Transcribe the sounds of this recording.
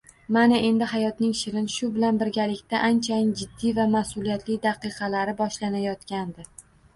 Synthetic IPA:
manaʔe̞nd̪ɪhajɒt̪nɪŋʃɪɾɪnʃʊbɪlanbɪɾɡʲalɪkʲt̪aʔant͡ʃʰajɪnd͡ʒɪd̪ːivamasʊlijat̪ʰlɪd̪ɑqʰɨqʰɑlaɾɪbɒʃlanajɒt̪kʲand̪ɪ

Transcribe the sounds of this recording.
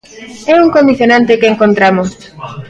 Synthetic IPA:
ɛuŋkomiθjonãnt̪ekeːŋkont̪ɾamos

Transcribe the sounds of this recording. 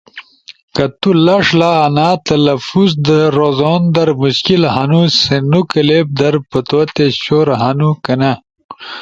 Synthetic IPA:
kɐt̪ulɐʂlaːnaːt̪ɐlɐfuzd̪ɐɾozoːnd̪ɐɾmuɕkilɦɐnusenukɐleb̚d̪ɐɾpɐt̪wɐt̪eɕoɾɦɐnukɐnɐ

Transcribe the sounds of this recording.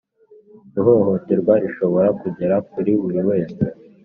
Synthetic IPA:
ɾuɦoːɦo̞teɾɡwaɾiʃo̞βo̞ɾakuɟe̞ɾakuɾiβuɾiwe̞ːse̞

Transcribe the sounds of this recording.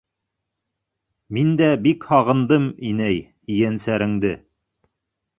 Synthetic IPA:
mind̪æbikhɑʁɤ̆nd̪ɤminæj | ijænsæɾɘ̆ŋd̪ɘ

